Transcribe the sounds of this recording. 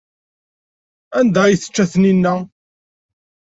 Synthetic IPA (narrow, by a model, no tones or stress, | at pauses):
ænd̪æjθə̥t͡ʃːæθninːæ